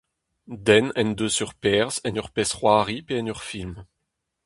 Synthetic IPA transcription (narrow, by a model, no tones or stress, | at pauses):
d̪ɛnɛnd̪øsyʁpɛʁzɛnœʁpɛsχwaʁipeɛnœʁfilm